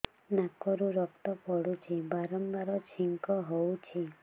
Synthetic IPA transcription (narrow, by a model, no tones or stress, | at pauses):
nakɔɾuɾɔkt̪ɔpɔɽut͡ʃʰibaɾɔmbaɾɔt͡ʃʰiŋkɔɦowt͡ʃʰi